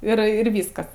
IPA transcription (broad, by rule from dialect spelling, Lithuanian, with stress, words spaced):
ˈɪr ɪr ˈʋʲiːskɐs